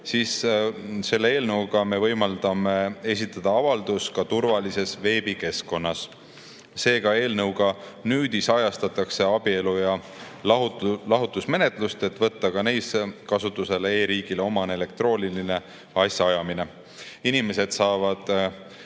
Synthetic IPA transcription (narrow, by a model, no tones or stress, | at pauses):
sis | se̞lːe̞e̞ːlnɤwɡɑme̞vɤjmɑld̪ɑme̞e̞s̬ʲit̪ˑːɑd̪̥ɑɑvɑld̪uskɑt̪uɾvɑlise̞sve̞ːb̥ike̞sko̞nːɑsː | e̞ːɡɑe̞ːlnɤwɡɑnyːd̪isɑjɑst̪ɑt̪ːˑɑkse̞ɑbie̞lujɑ | llɑɦut̪ːˑusme̞ne̞t̪ˑlust̪e̞t̪ˑvɤ̞t̪ːɑkɑne̞jskɑsut̪ˑːuse̞leeːɾiːɡ̥ileo̞mɑne̞le̞k̚t̪ro̞ːnʲiline̞ | ɑsʲjɑɑjɑmine̞ | inime̞se̞d̪̥sɑːvɑd̪̥